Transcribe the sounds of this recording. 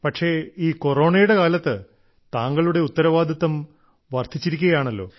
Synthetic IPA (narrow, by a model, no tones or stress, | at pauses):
pɐʈʂe̞iːko̞ro̞ːɳɐjuɽe̞kaːlɐt̪ːɨ | t̪aːŋɡɐɭuɽe̞ut̪ːɐɾɐʋaːd̪ʱit̪ːɐm | ʋɐrt̪ʰit͡ɕːiɾikʲːuɣɐjaːɳɐlːo̞̰ː